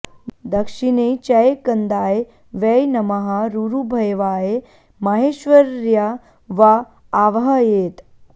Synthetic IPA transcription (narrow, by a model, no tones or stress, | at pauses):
d̪əkʂinet͡ɕɐjkənd̪aːje | ʋejnɐmɐɦaɾuɾubʱɐjʋaːje | mɐɦeːɕʋəɾja | ʋaː | ʋɦɐjeːt̪